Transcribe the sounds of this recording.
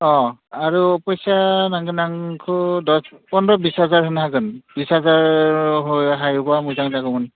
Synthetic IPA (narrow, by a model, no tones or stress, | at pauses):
ɔaɹuɔpɔjsanaŋɡɯnaŋkʰɯdɔspɔnɾɔbishazaɹɦɯnɦaɡɯnbishazaɹɦojɦajubamujzaŋzaɡɯmɯn